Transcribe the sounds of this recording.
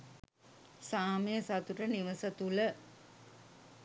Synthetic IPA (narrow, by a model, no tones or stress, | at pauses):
saːməjəsat̪uʈəniʋəsət̪ulə